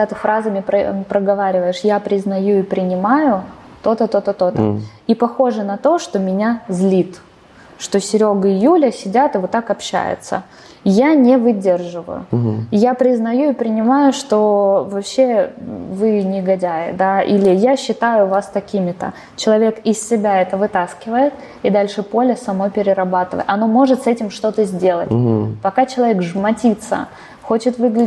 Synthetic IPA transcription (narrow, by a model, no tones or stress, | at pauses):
ɐɡ̪at̪ɨfɾazɐmʲɪpɾəpɾəɡɐvaɾʲɪvəjɪʂjapɾʲɪznɐjuipɾʲɪnʲɪmajʊt̪o̞t̪ət̪ot̪ət̪ot̪ə̰ipɐxo̞ʐɨnɐt̪o̞ʂt̪o̞mʲɪnʲazlʲit̪ | ʂt̪o̞sʲɪɾʲoɡɨɪjulʲəsʲɪdʲat̪ɨvot̪ːakɐpɕːæ̰jɪ̰t̪sə̰ | janʲevɨdʲerʐɨvə̰jʊ̰japɾʲɪznɐjuipɾʲɪnʲɪmajʊʂt̪o̞vɐpɕːevɨnʲɪɡɐdʲæjɪ̰d̪aḭlʲɪjaɕːɪt̪ajʊvast̪ɐkʲimʲɪt̪ə̰ | t͡ɕɪlˠɐvʲe̞kɪsʲsʲɪbʲaɛt̪əvɨt̪askʲɪvəjɪt̪ | ɪd̪alʲʂɨpo̞lʲəsɐmnopʲɪɾʲɪɾɐbat̪ɨvə̰jt̪ɐno̞mo̞ʐɨt̪sɛtʲɪmʂt̪o̞t̪əzʲdʲe̞lˠə̰tʲpɐkat͡ɕɪlˠɐvʲekʐmɐtʲit̪sə̰ | xo̞t͡ɕɪt̪vɨɡlʲɪ